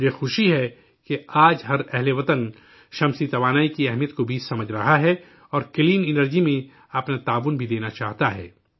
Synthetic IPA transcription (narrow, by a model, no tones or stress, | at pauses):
jexʊʃiɦɛ | keaːd͡ʒɦɐɾɛɦleʋɐt̪ən | ʃɐ̃msit̪ɐʋaːnaːikiɛɦmijət̪kobʱisɐməd͡ʒʱɾɐɦaɦɛ | ɔːɾkɪliːnɪnəɾd͡ʒimẽ | ɐpnat̪aːʋʊnbʱid̪eːnat͡ʃaːɦt̪aɦɛ̰ː